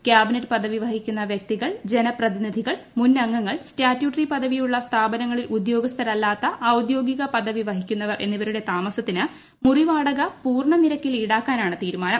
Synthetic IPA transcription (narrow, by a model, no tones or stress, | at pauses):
kʲjaːbinɐtːɨ̥pɐd̪ʱɐʋiʋɐɦikʲːunːɐʋjɐk̚t̪iɣɐɭd͡ʑe̞nɐprɐðinid̪ʱiɣɐɭmunːɐŋːɐŋːɐɭstaːtːjuːʈɐripɐd̪ʱɐʋijuɭːɐst̪ʰaːbɐnɐŋːɐɭilʔud̪jo̞ːɡɐst̪ʰɐɾɐlːaːt̪ːɐʔːwd̪jo̞ːɡiɣɐpɐd̪ʱɐʋiʋɐɦikʲːunːɐʋɐrʔe̞̰nːiʋɐɾuɽe̞t̪aːmɐsɐt̪ːinɨ | muriʋaːɽɐɣɐpuːrɳɐniɾɐkːiliɽaːkːaːnaːɳɨt̪iːɾumaːnɐm